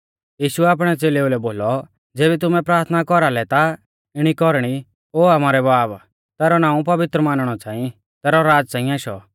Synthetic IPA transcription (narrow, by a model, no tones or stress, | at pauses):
jiːʃuɛaːp̬ɽ̃ɛt͡seːleulɛboːlɔ | d͡zeːβɛt̪̬ʊmɛ̃pɾaːɾt̪ʰnakɔɾalɛt̪a | ɪɽ̃ikɔɾɽ̃i | oːamaːɾɛbaːb | t̪ɛːɾɔnãːũpɐʋɪt̪ɾəmaːnɽ̃ɔt͡sãːĩ | t̪ɛːɾɔɾaːd͡zt͡sãːĩaːʃɔ̰